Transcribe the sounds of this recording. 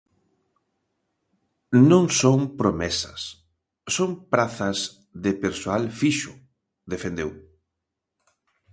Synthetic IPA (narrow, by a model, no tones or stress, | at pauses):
nõŋsoŋpɾomɛsɐ̰sː | oŋpɾaθɐz | ðepeɾsoalfiʃʊ | ðefẽnd̪ew